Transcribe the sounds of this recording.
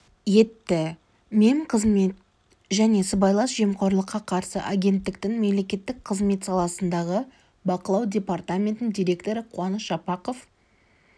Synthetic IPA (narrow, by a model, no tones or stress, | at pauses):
je̞t̪ːɪ | meɴqʰəzmet̪ | ʒæne̞səbɑjlˠɑsʒemqʰo̞ɾlˠəqːɑqʰɑɾsə̰ʔaɡʲe̞nt̪ːɪk̚t̪ɪŋme̞mle̞kʲe̞t̪ːɪk̚qʰəzme̞t̪sɑlˠɑsənd̪ɑʁə | bɑqəlˠɑwdʲe̞part̪amʲe̞nt̪ɪnd̪ʲijɾʲe̞kt̪o̞ɾəqʰuwɑnəsʒ̥ɑpɑqo̞f